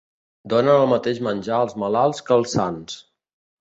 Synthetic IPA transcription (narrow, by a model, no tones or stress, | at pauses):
d̪onəːlˠmət̪eʒmənʲʒaəlˠzməlalˠskəlˠsans